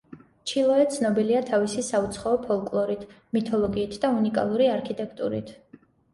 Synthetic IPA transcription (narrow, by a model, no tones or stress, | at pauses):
t͡ʃʰilˠɔɛt̪sʰnɔbiliat̪ʰavisisaut̪sʰχaɔpʰɔlˠkʼlˠɔɾit̪ʰ | mit̪ʰɔlˠɔɡiːt̪ʰd̪aunikʼa̰lˠuɾiaɾkʰit̪ʼɛkʰt̪ʼṵɾḭt̪ʰ